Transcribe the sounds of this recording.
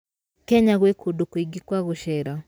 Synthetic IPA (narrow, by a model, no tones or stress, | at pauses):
kɛɲaɣwekodokoiɡikwaɣoʃɛɾa